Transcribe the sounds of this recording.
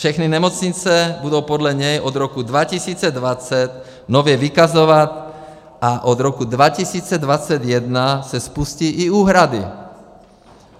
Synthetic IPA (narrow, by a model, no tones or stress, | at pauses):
fʃɛxninɛmot͡sɲit͡sɛbudowpod̪lɛɲɛjʔod̪ɾokud̪vacisiːt͡sɛd̪vat͡sɛt̪ | novjɛvikazovat̪ | ʔaʔod̪ɾokud̪vacisiːt͡sɛd̪vat͡sɛd̪jɛd̪nasɛspusciʔːuːɦɾad̪ḭ